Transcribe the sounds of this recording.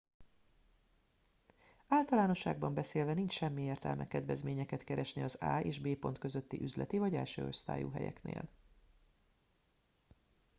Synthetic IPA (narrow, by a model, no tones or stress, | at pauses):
aːlt̪ɒlaːno̞ʃːaːɡbɒmbɛseːlvɛnint͡ʃʃɛmːieːrt̪ɛ̰lmʔɛkɛd̪vɛzmeːɲɛkɛt̪kɛɾɛʃniɒza̰ːeːʒbeːpo̞nt̪køzø̞t̪ːiʔyzlɛ̰t̪ivɒɟɛlʃø̰ːo̞̰st̪a̰ːjṵɦɛ̰jɛ̰knḛːl